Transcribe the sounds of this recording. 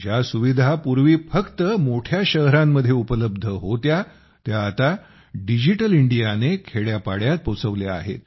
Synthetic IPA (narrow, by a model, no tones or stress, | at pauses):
d͡ʑjasuʋid̪ʱapuɾʋiːfəkt̪əmoʈʰjaɕəɦɾamːəd̪ʱjeupələb̚d̪ʱəɦot̪ja | t̪jaːt̪a | ɖid͡ʑiʈəliɳɖijanekʰeɭjapaɽjat̪̚pot͡səʋlea̰ɦḛt̪̚